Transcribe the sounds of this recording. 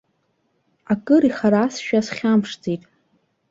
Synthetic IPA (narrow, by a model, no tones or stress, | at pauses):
akʼɨɾiχaɾasʃᶣasχʲampʰʂd͡zijtʼ